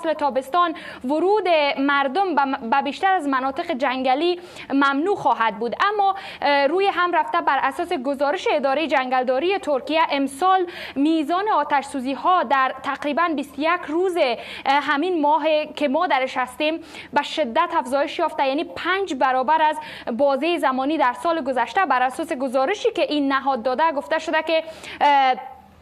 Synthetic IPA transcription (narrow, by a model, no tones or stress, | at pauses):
slet̪ʰɒbest̪ɒnvʊɾud̪emaɾd̪ombabiʃt̪aɾazmanɔt̪ɪqed͡ʒaŋɡali | mamnuxɒɦad̪̚buːd̪amːɒ | ɾujeɦamɾaft̪abæɾʔasɔːseɡozɒɾɪʃeːd̪ɒːɾejed͡ʒaŋɡald̪ɔɾijet̪ʰoɾkijaʔemsɔl | mizɒːneɒːt̪aʃsuziːhɔd̪æɾt̪ʰaqɾibanbist̪ʊjakɾuzeɦaminmɔɦekemɔd̪aɾɪʃhast̪em | baʃɪd̪ːat̪afzɔjɪʃjɒft̪ajanipʰand͡ʒbaɾɔbaɾaz | bɔzejzamɔnid̪aɾsɔleɡʊzaʃt̪abaɾasɔseɡʊzɔɾɪʃikeʔinːaɦɔd̪ːɔd̪aɡoft̪aʃʊd̪ake